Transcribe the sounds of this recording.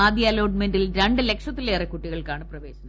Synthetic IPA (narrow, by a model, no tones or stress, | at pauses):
aːd̪ʱjɐlɐːɖmendilɾɐɳɖɨle̞kʂɐt̪ːilːeːrekːuʈːiɣɐɭkaːɳɨprɐʋe̞ːɕɐnːɐ